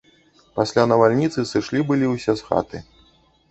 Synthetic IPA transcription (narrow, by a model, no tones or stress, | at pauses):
pasʲlʲanɐvalʲnʲit̪sɨsɨʂlʲibɨlʲiwsʲɛsxa̰t̪ɨ